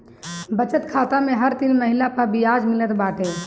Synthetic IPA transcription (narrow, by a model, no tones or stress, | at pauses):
bət͡ʃət̪kʰat̪ameɦəɾt̪ilməɦilapəɾbijad͡ʒmilət̪baʈe